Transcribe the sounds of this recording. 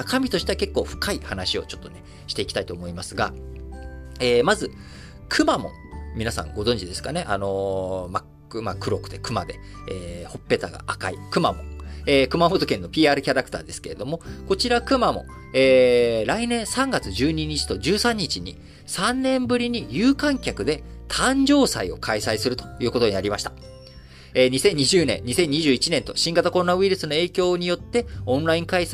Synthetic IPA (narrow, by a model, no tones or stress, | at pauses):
akamʲit̪o̞ɕi̥t̪e̞ake̞kːo̞ːɸɯ̟̥kaihanaɕio̞t͡ɕo̞̥t̪ːo̞ne̞ | ɕi̥t̪e̞ikʲi̥t̪ait̪o̞ːmo̞imasɨɡa | eːmazɨ | kʰɯ̟mamo̞̰ | mʲinasã̰ŋɡo̞zõ̞ɲ̟d͡ʑid̪e̞sɨ̥kane̞ʔano̞mak | ɯmakɯ̟ɾo̞kɯ̟̥d̪e̞kɯ̟mad̪e̞ | eːho̞pːe̞t̪aɡa̰ʔakaḭkɯ̟mamõ̰eːkɯ̟mamot̪o̞kẽ̞nːo̞pʲiːaːɾɯ̟kʲaɾakɯ̟̥t̪a̰ːd̪e̞sɨ̥ke̞ɾe̞d̪o̞mo̞ko̞t͡ɕiɾakɯ̟mamo̞̰ | eːɾainẽ̞ɰ̃sãŋɡat͡sɨʑɨːɲ̟iɲ̟it͡ɕi̥t̪o̞d͡ʑɨːsãɲ̟ːit͡ɕiɲ̟ḭ | sãnnẽ̞mbɯ̟ɾʲiɲ̟ijɯːkãŋkʲakɯ̟d̪e̞t̪ʰãɲd͡ʑo̞ːsa̰io̞̰kʰaisaisɨɾɯ̟t̪o̥jɯ̟ːko̞t̪o̞ɲ̟inaɾʲimaɕi̥t̪ḁ | eːɲ̟isẽ̞ɲ̟ːiʑɨːnẽ̞̰nɲːisẽ̞ɲ̟ːiʑɨːit͡ɕinẽ̞nt̪o̞̰ɕĩŋɡat̪ako̞ɾo̞naɯ̟iɾɯ̟sɨno̞e̞ːkʲo̞ːɲ̟ijo̞t̪ːe̞õ̞nɾaĩŋkais